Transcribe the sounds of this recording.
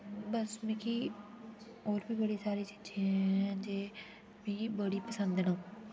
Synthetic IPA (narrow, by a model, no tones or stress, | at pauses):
bəsmɛ̃ːkiː | oːɾbiːbəɽiːsaːɾiːt͡ʃiːd͡ʒẽd͡ʒeː | mẽkibəɽiːpəsə̃nd̪nãː